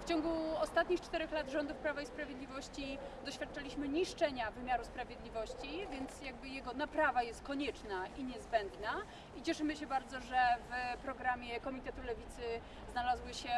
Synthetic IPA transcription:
ft͡ɕɔŋɡuɔst̪at̪̚ɲixt͡ʂt̪ɛɾɛxlad̪ʐɔnd̪ufpɾavaispɾavʲjed̪lʲivɔɕt͡ɕid̪ɔɕfʲjat̪̚ːt͡ʂalʲiɕmɘɲiʂt͡ʂɛɲavɘmʲjaɾuspɾavʲjeɛd̪lʲivɔɕt͡ɕivʲjɛnt̪sjaɡ̚bɘjɛɡɔnapɾavajɛst̪̚kɔɲɛt͡ʂnaiɲɛzbɛnd̪na | it͡ɕɛʂɘmɘɕɛbaɾd̪zɔʐɛvpɾɔɡɾamʲjɛkɔmʲit̪ɛt̪ulɛvʲit̪sɘ | znalazwɘɕɛ

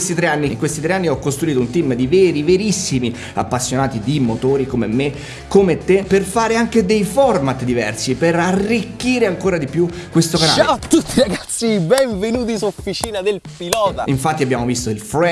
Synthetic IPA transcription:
st̪it̪ɾeanːiŋkwest̪it̪ɾeanːiɔkːost̪ɾuiːt̪ount̪imd̪iveːɾiveɾisːimi | a̰pːasːjonaːt̪id̪imot̪oːɾikomemːe | kːomet̪ːeperfaːɾeaŋk̟ed̪ejfɔrmat̪d̪ivɛ̰rsiperarːikːiːɾeaŋkoːɾad̪ipjukːwest̪okana̰ːat̪ːut̪ːiɾaɡat̪ssːibɛɱvenuːt̪̬isufit͡ʃiːnad̪elpilɔːt̪aiɱfat̪ːiabːjaːmovist̪oilfɾɛ

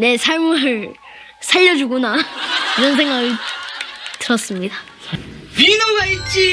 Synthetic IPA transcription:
ne̞sʰaɭmuɯɭ | sʰaʎːʌd͡ʑuɡonaiɾʌns̬ʰe̞ŋɡaɡɯɭ | tɯɾʌs͈ɯmɲida | pinʌɡait͡ɕ͈i

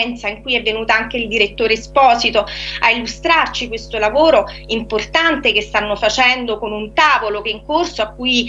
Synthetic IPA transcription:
nt̪saiŋkuːjɛvːenuːt̪aaŋk̟eild̪iɾet̪ːoːɾespɔːzit̪oailːust̪ɾart͡ʃikwest̪olavoːɾo | import̪ant̪ekest̪anːofat͡ʃɛnd̪okonunt̪aːvolok̟eiŋkorsoakːuːj

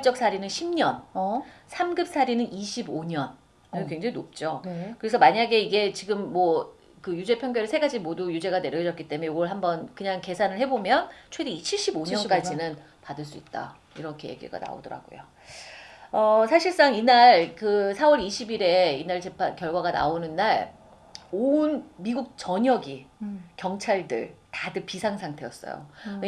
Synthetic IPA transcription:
t͡ɕ͈ʌk̚sʰaɾinɯnɕʰimɲʌnsʰamɡɯp̚sʰaɾinɯniɕʰiboɲʌn | ɯkwe̞ŋd͡ʑaŋinop̚t͡ɕ͈okɯɾe̞sʰʌmaɲaɡe̞iɡe̞t͡ɕiɡɯmːwʌ | kɯjud͡ʑe̞pʰjʌŋɡjʌɾɯsʰeɡad͡ʑimodujud͡ʑe̞ɡane̞ɾjʌd͡ʑʌt̚k͈it͈e̞mejoɡʌɭɦambʌnkɯɲaŋke̞sʰanɯɭhe̞bomjʌnt͡ɕʰwe̞deit͡ɕʰiɭɕ͈iboɲʌnk͈ad͡ʑinɯn | padɯɭs͈uit̚t͈a̰ | iɾʌkʰe̞je̞̰ɡḭɡa̰na̰o̰dʌɾa̰ɡo̰jo̰ | ʌsʰaɕʰiɭs͈aŋinaɭkɯsʰawʌɾiɕʰibiɾe̞inaɭt͡ɕe̞pʰankjʌɭɡwaɡana̰onɯnːaɭ | onmiɡuk̚t͡ɕʌɲʌɡikjʌŋt͡ɕʰaɭdɯ̰ɭtadɯpisʰaŋsʰaŋtʰe̞jʌs͈ʌ̰jo̰

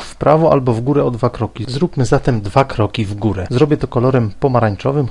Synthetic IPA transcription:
fpɾavɔʔa̰lbɔvɡuɾɛɔd̪vakɾɔkʲizɾupmɘzat̪ɛmd̪vakɾɔkʲivɡuɾɛzɾɔbʲjɛt̪ɔkɔlɔɾɛmpɔmaɾaɲt͡ʂɔvɘm

